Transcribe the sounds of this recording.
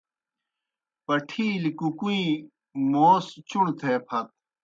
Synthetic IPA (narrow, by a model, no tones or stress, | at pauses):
pɐʈʰiːlikukuĩ | moːst͡ɕuɳt̪ʰepʰɐt̪̚